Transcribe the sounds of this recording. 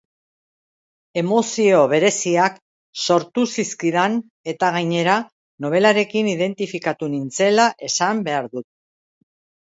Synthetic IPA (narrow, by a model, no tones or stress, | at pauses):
e̞mo̞sio̞βe̞ɾe̞siak | so̞ɾt̪usiskiðan | e̞t̪aɣajɲe̞ɾa | no̞β̞e̞laɾe̞kiniðe̞nt̪ifikat̪unint͡se̞laʔe̞sambe̞aɾðut̪̚